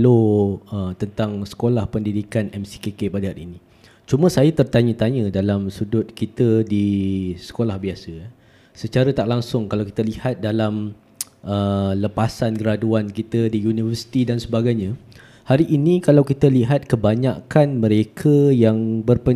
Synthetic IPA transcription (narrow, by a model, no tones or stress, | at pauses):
loət̪ənt̪aŋsə̥kolahpəndidikanɛmsi̥kekepadəɦaɾḭnĩ | t͡ʃumə̃sajat̪ərt̪aɲə̃t̪aɲə̃dalamsudʊt̪̚kit̪ədisə̥kolahbiasə | sət͡ʃaɾət̪aʔlaŋsʊŋkalawki̥t̪alihat̪̚dalam | ʔələpasankəɾaduankit̪ədijunivərsi̥t̪idansəbaɡajɲə̃ | haɾiʔinĩkalawkit̪əliɦat̪̚kəbaɲakanmə̃ɾekʰəjaŋbərpə